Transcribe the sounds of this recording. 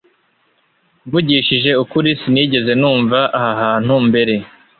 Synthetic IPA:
ɱvuɟiːʃiʒe̞ukuɾisiniːɟe̞ze̞nuːɱvaʔahaɦaːn̥humbe̞ɾe̞

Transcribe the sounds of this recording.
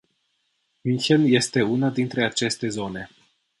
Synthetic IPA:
miçenje̞st̪e̞unad̪int̪ɾe̞at͡ʃe̞st̪e̞zo̞ne̞

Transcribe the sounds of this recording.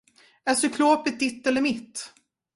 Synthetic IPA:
æsʏkʰloːpət̪̚d̪ɪt̪ːɛlːəɾmɪt̪ː

